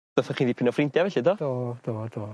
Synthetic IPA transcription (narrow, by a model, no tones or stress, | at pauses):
ɔθɔχiːnðiːpʰɪnɔfrɪndjavɛɬɪdɔːd̥oːd̥̪oːd̥̪oː